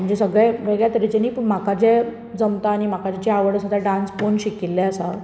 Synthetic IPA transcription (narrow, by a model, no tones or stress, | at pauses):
m̤əɲd͡ʑesəɡɭɛʋeɡɭjat̪ɾed͡ʑəniːpm̤akad͡ʑe | d͡zəmt̪aːñim̤akat͡ɕat͡ɕiaʋəɽəsəd̪ʱaɖãnsponɕikilːeəsa